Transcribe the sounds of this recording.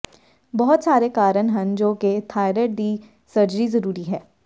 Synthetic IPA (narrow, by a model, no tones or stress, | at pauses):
bɔɦʊt̪saːɾekaːɾənɦɛ̃nd͡ʒoːket̪ʰaːɪɾəʈ̚d̪i | sɐɾd͡ʒəɾizɐɾuːɾiɦɛː